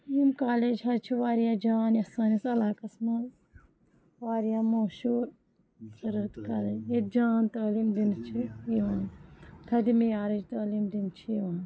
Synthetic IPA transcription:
jimkaːleːd͡ʒɦɐt͡ʃʰiʋaːɾijaːd͡ʒaːnjɐsaːnisɐlaːkɐsmal | ʋaːɾijaːmoːʃuːɾ | xɐɾɐt̪kaːled͡ʒed͡ʒaːnt̪ɐːliːmd̪int͡ʃʰiiʋãːnt̪ʰɐd̪imijaːɾid͡ʒt̪ɐːliːmd̪int͡ʃʰiiʋãːn

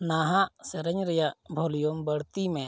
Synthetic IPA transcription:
naɦaʔsɛɾɛɲɾɛjaʔbʱɔlijɔmbəɽt̪imɛ

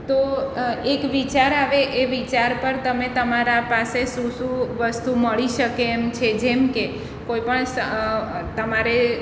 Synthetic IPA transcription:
t̪oekʋit͡ʃaɾaʋeʔeʋit͡ʃaɾpəɾt̪əmet̪əmaɾapasesũsũʋəst̪uməɭiʃəkeːmt͡ʃʰed͡ʒemke | koipəɳsət̪əmaɾe

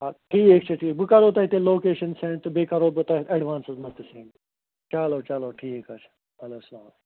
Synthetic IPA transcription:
ɦaːʈʰiːkeːk̚t͡ʃʰɐʈʰiːbɨkɐɾoːt̪aːɦit̪eːloːkeːʃɐnsẽɳt̪ɨbekɐɾoːbɨt̪aɦɐɖʋaːnsɪzmɐt̪ːɨsẽːɳʈ | t͡ʃaːloːt͡ʃaloːʈʰiːeːkat͡ʃʰ | ɐloːsɐlaːm

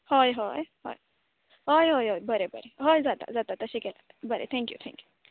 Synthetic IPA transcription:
hojɦɔjɦɔ̰ːj | ɦojɦoːjɦoːjbɐɾebɐ̰ɾeɦojzjaːd̪a̰zʲaːd̪at̪ɐʃikɛla̰ːt̪abɐɾḛt̪ʰɛ̃ːŋkjṵt̪ʰɛ̰̃ŋkju

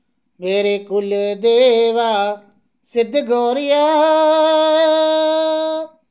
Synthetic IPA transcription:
meːɾeːkʊld̪eːʋaː | sɪd̪ʱɡoːɾɪjaː

